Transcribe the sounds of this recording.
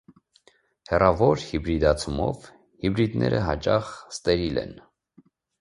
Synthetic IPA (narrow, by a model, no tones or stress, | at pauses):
hɛrɑvɔɾhibɾid̪ɑt͡sʰumɔv | hibɾid̪nɛɾəɦɑt͡ʃɑχst̪ɛɾilɛ̰n